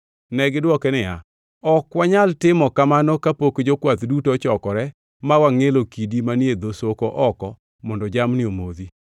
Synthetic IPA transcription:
nɛɡɪdwɔkɛnɪa̰ | ɔkwaɲaltɪmɔkamanɔkapokd͡ʒokwat̪dutot͡ʃɔkɔɾɛ | mawaŋelokidimanjed̪osokoʔɔkɔ | mɔndɔd͡ʒamnɪomod̪i

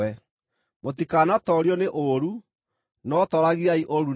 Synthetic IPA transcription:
ɛ | motikaːnatɔɾjɔneʔoɾu | nɔtɔɾaɣiaiʔoɾu

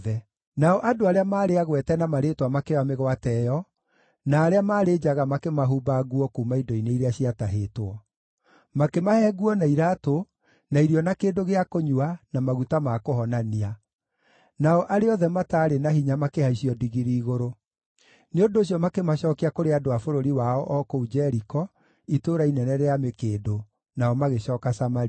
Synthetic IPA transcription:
ɛ | naɔʔadoaɾeamaːɾeaɣwɛtɛnamaɾetwamakeameɣwatɛjɔ | naːɾeamaːɾed͡ʑaɣamakemaɦuːbaɣuɔkuːmaidɔineiɾeaɕiataɦeːtwɔ | makemahɛːɡuɔnaiɾato | naiɾiɔnakeːdoɣeakoɲuanamaɣutamakohɔnania | naɔʔaɾeɔðɛmataːɾenahiɲamakehaiʃiɔdiɣiɾiːɣoɾo | neondoːɕ̬jɔmakemaɕɔːkeakoɾeadoafoɾoɾiwaɔʔɔkoud͡ʒɛɾikɔ | itoɾainɛnɛɾeamekeːdo | naɔmaɣeɕɔːkasamaɾi

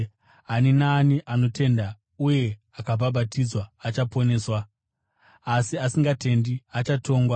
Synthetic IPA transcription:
ɦaninaniʔano̞tʰe̞nda | uje̞ | akabʱabʱatʰid͡zwaːt͡ʃapo̞ne̞ːswaː | siasiŋɡatʰe̞ndiat͡ʃatʰo̞ːŋɡwa

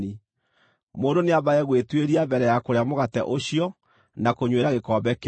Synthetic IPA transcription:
i | moːndoneaβaɛɣwetweɾiabɛɾɛjakoɾeamoɣatɛ̰ʔoɕijɔ | nakoɲweɾaɣekɔːbɛke

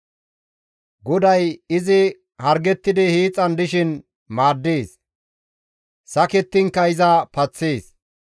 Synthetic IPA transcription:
ɡɔd̪ɐjɪzɪ | hɐɾɡɛt̪ːɪd̪ɪhiːt͡sʼːɐnd̪ɪʃɪn | maːd̪ːeːs | sɐkɛt̪ːɪŋkːɐɪzɐpɐt͡sːeːs

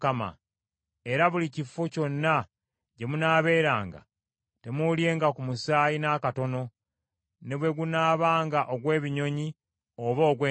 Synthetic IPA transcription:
kama̰ | e̞ɾaβulicifːoco̞nːa | ɟe̞munaːβe̞ːɾaːŋɡa̰ | te̞mulje̞ːŋɡakumusaːjinaːkato̞no̞ | neβwe̞ɡunaːβaːŋɡaʔoɡwe̞ːβiɲo̞ɲi | oβo̞ːɡweː

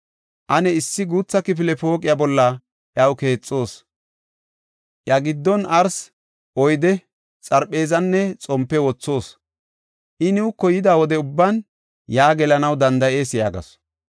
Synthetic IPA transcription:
ʔɐnɛɪsːɪɡuːt͡sːɐkɪp̬ɪlɛpo̞ːkʼɪjabɔlːɐ | ʔjɐwke̞ːt͡sʼːo̞ːs | ʔjɐɡɪd̪ːɔnɐɾs | ʔɔjd̪ɛ | t͡sʼɐɾpʼːe̞ːzɐnːɛt͡sʼɔmpːɛwɔt͡sːo̞ːs | ʔɪnɪʊkːɔjɪd̪aːwɔd̪ɛʊbːan | jaːɡɛlɐnɐwd̪ɐnd̪ɐʔe̞ːsjaːɡɐ̰s

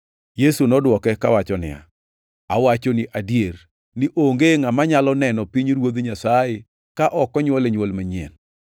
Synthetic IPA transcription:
jesunɔdwɔkɛkawat͡ʃɔnɪ̰a̰ | awat͡ʃɔnɪʔadjeɾ | nɪʔoŋɡeŋamaɲalɔnɛnɔpiɲɾwod̪ɲasaje | kaʔɔkɔɲwɔleɲwolmaɲɛ̰n

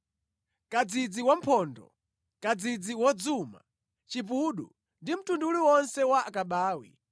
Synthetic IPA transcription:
kad͡zid͡ziwam̩pʰɔːndɔ̰ | kad͡zid͡ziwɔd͡zuma̰ | t͡ʃipuɗu | ndim̩tunduuliwɔnsɛwaakaɓaːwḭ

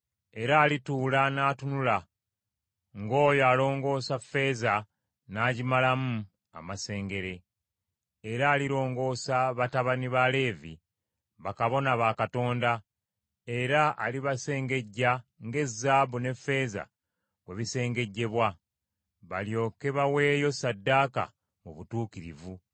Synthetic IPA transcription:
e̞ɾaːlituːlanaːtunula | ŋɡo̞ːjoalo̞ːŋɡo̞ːsafːe̞ːza | naːɟimalamu | a̰mase̞ːŋɡe̞ɾe̞ː | ɾaːliɾo̞ːŋɡo̞ːsaβataβaniβale̞ːvḭ | βakaβo̞naβaːkato̞ːnda | e̞ɾaʔa̰liβase̞ːŋɡe̞ɟːaŋɡe̞zːaːβune̞fːe̞ːza̰ | kwe̞βise̞ːŋɡe̞ɟːe̞βwa | βaljo̞ːke̞βawe̞ːjo̞sadːaːka̰ | muβutuːkiɾḭvu

